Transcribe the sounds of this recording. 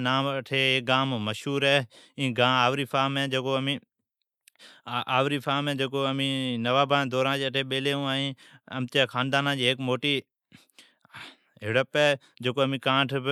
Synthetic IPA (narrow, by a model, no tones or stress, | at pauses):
naːmʈʰeːeːk̚ɡaːmməʃɦuːɾɛːĩːɡãːaːʋɾiːfaːmɛ̃ːd͡ʒeːkoːəmĩː | ʔaːʋɾiːfʰaːmɛ̃ːd͡ʒeːkoːəmĩːnəʋaːbãːd̪ɔːɾãːd͡ʒeːəʈʰeːɓeːleːũːaːĩː | əmt̪eːkʰãːnd̪aːnãːd͡ʒiːɦeːkmoːʈiː | ɦɪɽəpɛː | d͡ʒeːkoːəmĩːkãːʈʰ